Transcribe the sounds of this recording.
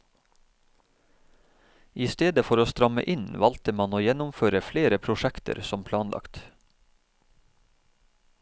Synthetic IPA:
ʔiːst̪eːd̪əfɔɾoːst̪ɾɑmə̰ʔɪnʋɑlt̪əmɑnoːjɛnʊmføːɾəfleːɾəpʰɾʊʃækt̪ə̰ɾsɔmpʰlɑːnlʔɑ̰kt̪

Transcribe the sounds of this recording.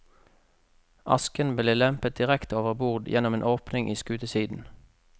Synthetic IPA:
ʔɑ̰skənbleːlɛmpət̪̚d̪ɪʁɛkt̪oːʋəʁbuʁd̪jɛnɔmeːnʔoːpnɪŋʔiːskʉːt̪əsiːd̪n̩

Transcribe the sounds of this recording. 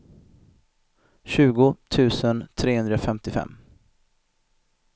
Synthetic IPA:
ɕʉ̟ːɡʊt̪ʰʉ̟ːsənt̪ʰɾeːhɵnd̪ɾafɛmt̪ɪfɛ̰mː

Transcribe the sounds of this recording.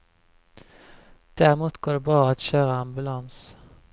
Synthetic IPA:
d̪̥æʁmuːt̪ɡ̥oːɖebʁɑːɑt̪ʃøːʁəɑmbʉlɑns

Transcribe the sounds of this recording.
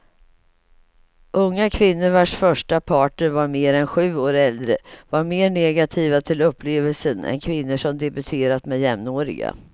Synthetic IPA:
ʔɵŋːakʰvɪnːəɾvaʂfœʂʈapʰɑːʈəɾvaɾmeːɾɛnɧʉ̟ːoːɾɛld̪ɾə̰vaɾmeːɳɛɡat̪ʰiːvat̪ʰɪlɵpʰːleːvəlsənɛ̰nkʰvɪnːəʂɔmd̪ɛbɵt̪ʰeːɾat̪mɛjɛmnoːɾɪ̰ɡa̰

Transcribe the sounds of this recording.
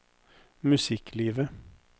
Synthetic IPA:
mʉsɪkliːʋə

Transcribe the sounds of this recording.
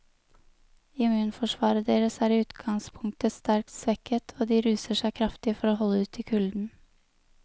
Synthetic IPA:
ɪmʉːnfɔʂʋɑːɾəd̪eːɾəsæːɾiʉːt̪ɡ̥ɑŋspʰʊŋt̪əst̪æɾk̚t̪sʋɛkət̪ʰoːd̪iːɾʉːsəʂæɪkʰɾɑft̪ɪfɔɾoːɦɔlːəʉːt̪ʰːɪkʰʉld̪n̩

